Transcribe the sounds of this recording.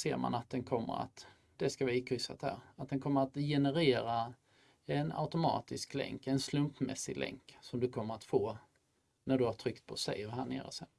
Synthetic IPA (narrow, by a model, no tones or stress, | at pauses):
seːɾma̰nat̪̚d̪ɛnkʰɔmːə̰ɾa̰t̪ | d̪̥ɛskavɪkʰɾʏsa̰t̪hæ̰ːɾat̪̚d̪ɛnkʰɔmːəɾat̪jɛnəɾeːɾa | ɛna̰ʊt̪ʊmɑ̰ːt̪ɪsklɛ̰ŋkɛnslɵmpmɛ̰sːɪlʔɛ̰ŋksɔmd̪ɵkʰɔmːəɾat̪foː | næɖɵhaʈʰɾʏkt̪̚pʰɔsɛ̰jɦæːɳḛːɾɔsɛn